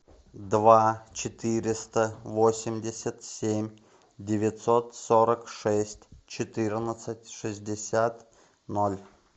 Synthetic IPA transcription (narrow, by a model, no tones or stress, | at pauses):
d̪vat͡ɕɪt̪ɨɾʲɪst̪əvosʲɪmʲdʲɪsʲət̪sʲemʲ | dʲɪvʲɪt̪sot̪soɾəkʂɛsʲtʲt͡ɕɪt̪ɨrʲnət̪sətʲʂɨzʲdʲɪsʲat̪ | nolʲ